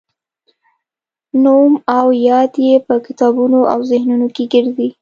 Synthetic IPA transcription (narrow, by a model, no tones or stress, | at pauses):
nomawjɑd̪jepəkɪt̪ɑbunoʔa̰wzɪhnunokeɡəɾzi